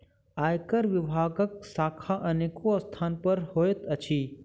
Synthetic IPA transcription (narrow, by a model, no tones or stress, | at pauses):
aːjkəɾʋɪbʱaːɡək̚saːkʰaʔɐneːkost̪ʰaːnpəɾhoːet̪ɐt͡ʃʰiː